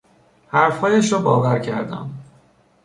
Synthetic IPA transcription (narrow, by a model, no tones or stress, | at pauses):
hæɾfhɒːjeʃobɒ̰ːvæɾcʰæɾd̪æ̰m